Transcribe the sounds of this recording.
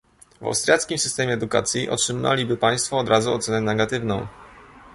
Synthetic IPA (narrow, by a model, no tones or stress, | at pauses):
va̰wst̪ɾʲjat̪skʲimsɘst̪ɛmʲjɛːd̪uka̰t̪sʲjiʔɔ̰tʂɘma̰lʲibɘpaj̃st̪fɔːd̪ɾʔazuɔ̰t̪sɛnɛnɛɡat̪ɘvnɔ̃w̃